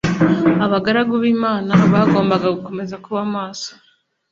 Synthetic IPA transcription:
aβaɡaɾaɡuβiːmaːnaβaːɡo̞ːmbaɡaɡuko̞me̞zakuβamaːso̥

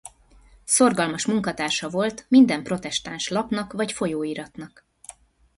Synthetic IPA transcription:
so̞rɡɒlmɒʃmuŋkɒt̪aːrʃɒvo̞lt̪mind̪ɛmpro̞t̪ɛʃt̪anʃlɒpnɒkvɒcfo̞joːiɾɒt̪nɒk

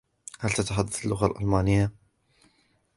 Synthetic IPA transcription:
halt̪at̪aħad̪ːaθalːʊɣalʔa̰lmaːnɪjːa

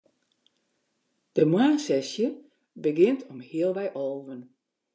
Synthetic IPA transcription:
d̥əmwaːnsɛsjə | bəɡɪntʰɔmhiəlˠʋɛjʔoːvən

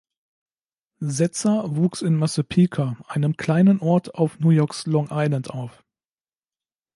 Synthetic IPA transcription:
zɛt͡sɐvuːksɪnmasəpʰiːkʰaʔaɪnəmkʰl̥aɪnənʔɔɐtʰaʊfnuːjɔɐkslɔŋʔaɪlantʔaʊf

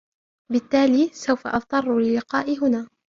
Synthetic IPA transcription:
bɪt̪ːaːliːsawfa̰ʔɑft̪ˤɑrˤːlɪlːɪqɑːʔɪɦʊnaː

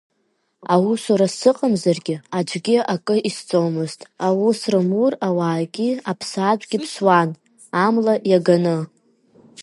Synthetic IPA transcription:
awusuɾasɨqʼamzarɡʲɪad͡ʒʷʼɡʲɪʔakʼɨʔist͡sʼowmɨztʼawusrɨmurawaːɡʲɪapʰsat͡ʃʷʼɡʲɪpʰswan | amlajaɡanɨ

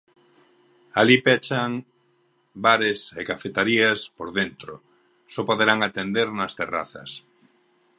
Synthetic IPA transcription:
alipɛt͡ʃaŋ | baɾesekafet̪aɾiaspoɾðent̪ɾo | sɔpoðeɾaŋat̪end̪eɾnɐst̪era̰θɐ̰s

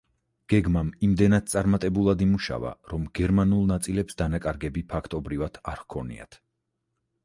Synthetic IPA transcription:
ɡ̥ɛɡmamimd̪ɛnad̪̥̚t̪sʼaɾmat̪ʼɛbulˠad̪imuʃa̰va̰ɾɔmɡ̥ɛɾmanulˠnat̪sʼilɛpsd̪anakʼaɾɡɛbipʰakʰt̪ʼɔbɾivad̪̥ʰaɾhkʰɔnḭa̰t̪ʰ

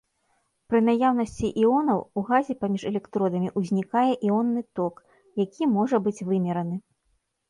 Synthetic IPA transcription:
pɾɨnajawnɐsʲt͡sʲiʔiɔnɐwuɣazʲipamʲiʂɛlʲɛkt̪ɾɔd̪ɐmʲiʔuzʲnʲikajɛʔiɔnːɨt̪ɔk | jakʲimɔʐɐbɨt͡sʲvɨmʲɛɾɐnɨ

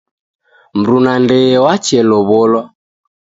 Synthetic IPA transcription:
m̩ɾunandɛwat͡ʃɛlɔβɔlɔ

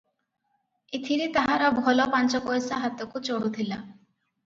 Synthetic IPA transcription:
it̪ʰiɾit̪aɦaɾɔbʱɔlɔpant͡ʃɔkɔjsaɦat̪okut͡ʃoɽut̪ʰila

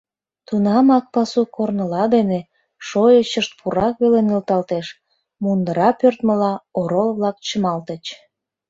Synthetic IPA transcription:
t̪unɑmɑk̚pɑsukornəlɑd̪ene | ʃojət͡ɕəʃt̪̚pʰuɾɑk̚βelenilt̪ɑlt̪eʃ | mund̪əɾɑpørt̪məlɑoɾolβlɑk̚t͡ɕəmɑlt̪ət͡ɕ

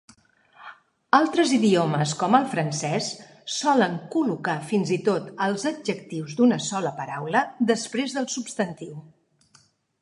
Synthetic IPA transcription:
alˠt̪ɾəziðioməskɔməlˠfɾənsɛs | sɔləŋkulukafinzit̪ot̪əlˠzəd͡ʒəkt̪iwzd̪unəsɔləpəɾawləd̪əspɾezðəlˠsupst̪ənt̪iw

